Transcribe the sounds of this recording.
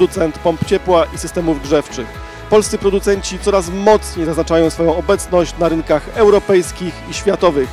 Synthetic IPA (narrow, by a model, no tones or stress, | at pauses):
d̪ut̪sɛnt̪pɔmpt͡ɕɛpwaʔisɘst̪ɛmuvɡʐɛft͡ʂɘx | pɔlst̪sɨpɾɔd̪ut̪sɛɲt͡ɕit̪sɔɾasmɔt̪sɲejzaznat͡ʂajɔ̃w̃sfɔjɔ̃w̃ɔbɛt̪snɔɕt͡ɕnaɾɘnkaxɛwɾɔpɛjskʲixiɕfʲat̪ɔvɘx